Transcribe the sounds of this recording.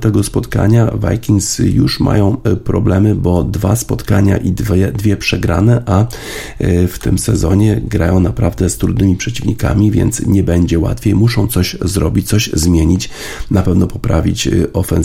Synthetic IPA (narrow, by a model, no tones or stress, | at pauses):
t̪ɛɡɔspɔt̪ka̰ɲava̰jkʲiŋsjuʂma̰jɔ̃w̃pɾɔblɛmɘbɔd̪vaspɔt̪kaɲa̰ʔid̪ɛd̪vʲjɛpʂɛɡɾanɛʔa | ft̪ɘmsɛzɔɲɛɡɾajɔ̃w̃napɾavd̪ɛst̪ɾud̪nɘmʲipʂɛt͡ɕivɲika̰mʲivʲjɛ̰nt̪sɲɛbɛɲd͡ʑɛwa̰t̪fʲjejmuʂɔ̃w̃t̪sɔɕzɾɔbʲit͡ɕt̪sɔɕzmʲjeɲit͡ɕ | napɛvnɔpɔpɾavʲit͡ɕʔɔfɛn